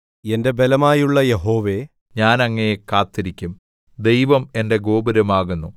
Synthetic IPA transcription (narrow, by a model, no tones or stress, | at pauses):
e̞nde̞be̞lɐmaːjuɭːɐje̞ɦo̞ːʋe̞ | ɲaːnɐŋːɐnekaːt̪ːiɾikʲːum | d̪e̞jʋɐme̞nde̞ɡo̞ːbɐɾɐmaːɣunːu